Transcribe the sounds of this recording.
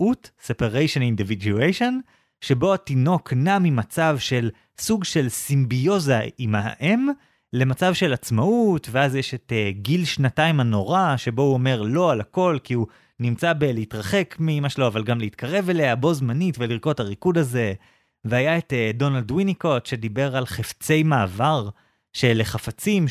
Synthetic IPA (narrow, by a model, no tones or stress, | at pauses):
utsepaʁejʃonindividjuejʃo̞n | ʃe̞bo̞atino̞kʰnamimat͡savʃe̞l | suɡʃe̞lsimbijo̞zaima̰ʔem | le̞mat͡savʃe̞lat͡smautve̞azjeʃe̞teɡilʃnataimano̞ʁaʃe̞bo̞uo̞me̞ʁlo̞alako̞lkiu | nimt͡sabeleitʁaχe̞kmiimaʃeloavalɡamleit̪kʰaʁe̞ve̞le̞abo̞zmanitveliʁko̞taʁikudaze̞ | veajaetdo̞naldwiniko̞tʃe̞dibe̞ʁalχeft͡se̞jmaːvaʁ | ʃe̞leχafat͡sim